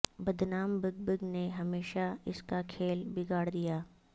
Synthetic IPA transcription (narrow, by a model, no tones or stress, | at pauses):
bɐd̪ʱnaːmbɪɡ̚bɪɡneɦɐmeːʃaɪskakʰeːlbɪɡaːɽd̪ijaː